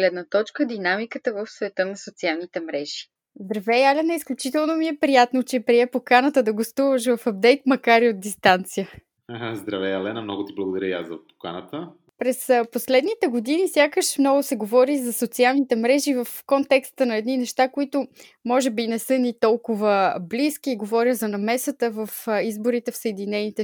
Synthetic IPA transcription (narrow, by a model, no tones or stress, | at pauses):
ɡlɛd̪nət̪ɔt͡ʃkəd̪inamikət̪əvəfsvɛt̪ɤnɐsot̪sialˠnit̪ɛmɾɛʒi̥ | zd̪ɾɐvɛjalɛnəisklʲut͡ʃit̪ɛlˠnomiɛpɾijat̪not͡ʃɛpɾiɛpokanət̪əd̪ɐɡost̪uvəʃ̬vəfɐb̚d̪ɛjt̪mɐkaɾiot̪̚d̪ist̪ant̪sijə | zd̪ɾɐvɛɐlɛnəmnɔɡʊt̪iblˠəɡod̪ɐɾəja̰szɐpo̥ka̰nət̪ə | pɾɛsposlɛd̪nit̪ɛɡod̪inisʲjakəʃmnɔɡʊsɛɡovɔɾizɐsot̪sialˠnit̪ɛmɾɛʒivəfkont̪ɛkst̪ənɐɛd̪ninɛʃt̪akoit̪ʊ | mɔʒɛbinɛsɤnit̪ɔlˠkʊvəblisk̟iːɡovɔɾʲjəzɐnɐmɛsət̪əvəfizboɾit̪ɛfsəɛd̪inɛnit̪ɛ